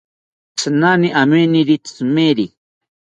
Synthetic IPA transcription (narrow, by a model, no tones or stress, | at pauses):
t͡sʰnaniʔameniɾit͡smeɾi